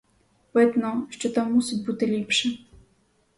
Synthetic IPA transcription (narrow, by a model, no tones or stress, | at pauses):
pɪd̪nɔʃt͡ʃɔt̪amːusʲɪtʲbut̪ɪlʲipʃɛ